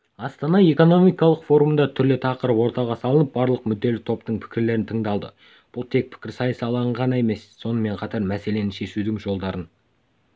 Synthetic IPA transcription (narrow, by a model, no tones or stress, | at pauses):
ɑst̪ɑnɑe̞ko̞no̞mijkɑlˠəqfo̞ɾumənd̪ɑt̪ʰʏɾlɪt̪ʰɑqəɾəpwo̞ɾt̪ɑʁɑsɑlˠənəp̚bɑɾlˠəqmʏd̪ːe̞lɪk̚t̪ʰo̞pt̪əɴpʰɪ̥kʲɪɾle̞ɾɪnt̪ʰəɴd̪ɑlˠd̪ə̰ | b̥ʊlˠt̪ʰe̞k̚pʰɪ̥kʲɪɾsɑjsɑlˠɑɴʁɑne̞me̞sːo̞nəme̞ɴqʰɑt̪ɑɾmæse̞le̞nɪʃe̞ʃud̪ɪŋʒo̞lˠd̪ɑɾən